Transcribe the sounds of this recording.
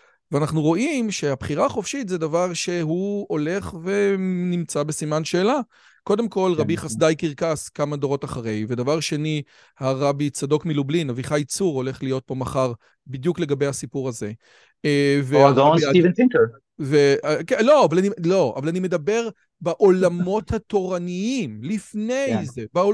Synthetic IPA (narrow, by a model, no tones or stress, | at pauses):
veanaχnuʁo̞ʔimʃe̞habχiʁaːχofʃit̪zed̪avaʁʃe̞ɦuo̞le̞χve̞nimt͡sabe̞simanʃe̞ːla | kod̪emko̞lʁabiχasd̪ajkiʁkaskamad̪oʁo̞taχaʁe̞jved̪avaʁʃe̞ni | haʁabit͡sado̞kmilublinaviχajit͡suʁo̞le̞χlijo̞t̚po̞maχaʁ | bid̪jukle̞ɡabejhasipuʁaze̞ | veaʁaoniiventɪ̃ŋkə˞ | vekeloavalanilo̞a̰valanime̞d̪ɐbe̞ʁ | baʔolamo̞that̪o̞ʁaniimlifne̞jze̞bao